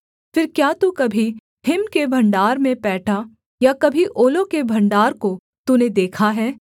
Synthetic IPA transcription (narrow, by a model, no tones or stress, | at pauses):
fɪɾkjaːt̪ukɐbʱi | ɦʰɪmkebʱɐ̃ɳɖaːɾmẽpɛːʈʰa | jakɐbʱiʔoːlõkebʱɐ̃ɳɖaːɾko | t̪uned̪eːkʰaɦɛː